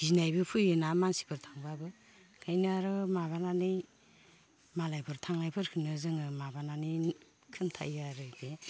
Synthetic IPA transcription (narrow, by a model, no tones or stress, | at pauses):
zinajbɯpʰujɯnamansi̥pʰɯɾtʰaŋbabɯ | kʰajnɯaɾɯmaβananɯj | malajpʰɯɾtʰaŋajpʰɯɾkʰɯnɯzɯŋɯmabanani | kʰɯmtʰa̰jaɾɯbe